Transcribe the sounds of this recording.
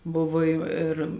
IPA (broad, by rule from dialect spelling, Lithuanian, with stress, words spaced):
ˈbʊʋoː ˈjuː ɪr